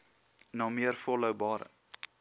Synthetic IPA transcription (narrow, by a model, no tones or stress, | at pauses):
nɑːmiərfɔləwbɑːɾə̰